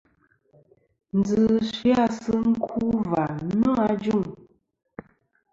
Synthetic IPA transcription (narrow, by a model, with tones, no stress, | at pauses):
n̩˨d͡zɨ˨ʃi˦a˦˨sɨ˦ŋ̩˦kʰu˦va˨nɔ˦a˦d͡ʒu˦˨ŋ